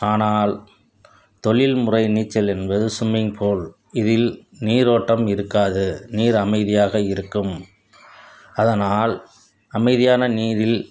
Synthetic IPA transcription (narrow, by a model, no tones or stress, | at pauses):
aːnaːl | t̪ɔɭɪlmʊrɐɪniːt͡ʃːɐlɛnbɐðɯsʊmɪŋpʰoːl | ɪðɪlniːɾoːʈːɐmɪɾɯkːaːðɯniːɾɐmɐɪðɪjaːɣɐɪɾɯkːɯm | ɐðɐnaːl | ɐmɐɪðɪjaːnɐniːðɪl